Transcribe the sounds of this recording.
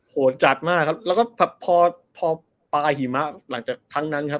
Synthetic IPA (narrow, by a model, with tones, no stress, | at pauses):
hoː˨˩˦t͡ɕa˨˩t̪̚maː˥˩kʰːa˦˥p̚lɛː˦˥wkɔː˥˩bʰɛ˨˩pʰːɔː˧ | pʰɔː˧ | paː˧jhi˨˩˦ma˦˥ʔla˩˦ŋt͡ɕaː˨˩k̚t̪ʰa˦˥ŋna˦˥nkʰa˦˥p̚